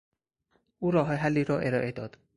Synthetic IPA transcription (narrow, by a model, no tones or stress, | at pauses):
ʔuːɾɒːɦɒjeɦalːiːɾɒːʔeɾɒːʔe̞d̪ɒːd̪̥